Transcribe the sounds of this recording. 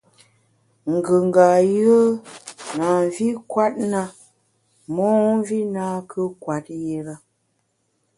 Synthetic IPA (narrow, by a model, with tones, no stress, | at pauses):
ŋ̩˨ɡə˨ŋ˨ɡa˨jə˦na˨ɱ˨vi˦kwa˦t̚na˦ | mɔː˦vi˦naː˦kʰə˦kwa˨t̚je˨ɾə˦